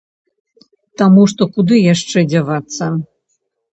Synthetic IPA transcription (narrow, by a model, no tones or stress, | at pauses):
t̪amuʂt̪ɔkud̪ɨjaʂt͡ʂɛd͡zʲavat̪sːɐ